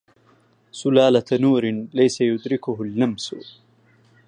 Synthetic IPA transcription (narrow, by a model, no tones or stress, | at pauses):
sʊlaːlanuːɾɪnlajsajʊd̪ɾɪkʊɦʊlːamsʊ̰